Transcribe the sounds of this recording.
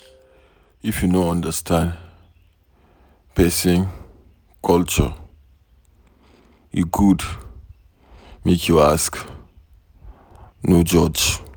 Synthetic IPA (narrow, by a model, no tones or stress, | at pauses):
ifjunõãndəstʰãn | pɛsĩŋ | kʰɔlt͡ʃə̰ | iɡud | mekʰjuask | nud͡ʒɔd͡ʒ